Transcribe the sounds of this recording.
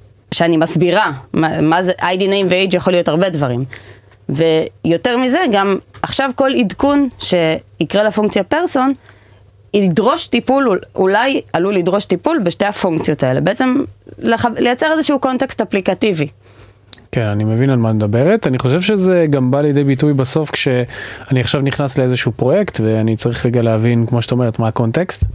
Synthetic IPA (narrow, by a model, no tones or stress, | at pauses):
ʃeanimasbiʁamamazeʔajdinejmveejd͡ʒjaχo̞lijo̞taʁbe̞dvaʁim | ve̞jo̞te̞ʁmize̞ɡamaχʃavko̞lidkunʃe̞ikʁelefuŋkt͡sijapeʁso̞n | iidʁo̞ʃtipululajalulidʁo̞ʃt̪ipulbeʃte̞hafuŋkt͡sjo̞t̪ae̞lebe̞et͡se̞mleχalejat͡se̞ʁezeʃuuko̞ntekst̪aplikativi | kenanimevinalmamed̪abeʁetaniχo̞ʃ̬e̞vʃezeɡambaljedejbitujbaso̞fkʃe̞aniaχʃavniχnasleezeʃuːpʁo̞je̞kt̪ve̞anit͡saʁiχʁeɡaleavinkmoʃeḁt̪aome̞ʁet̪mako̞nt̪ekst̪